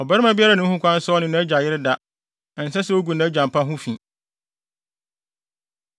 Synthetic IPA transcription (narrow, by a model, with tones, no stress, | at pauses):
ɔ˨bɛ˦ɾmã˦bɪ˦a˦ɾa˨nʊ̃˦hũ˦kʷã˦n̩˦sɔ˦ɔ˦nʊ̃˨nã˦æ˦d͡ʑa˨jɪ˦ɾɪ˦da˦ | ɛ̃˨n̩˨sɛ˦sɛ˦o˦ɡu˨nã˦æ˦d͡ʑã˨mpa˦ɦʊ̃˦fĩ˨